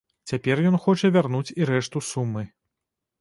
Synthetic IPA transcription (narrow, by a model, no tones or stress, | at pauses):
t͡sʲapʲɛrjɔnxɔt͡ʂɐvʲarnut͡sʲiɾɛʂt̪usumːɨ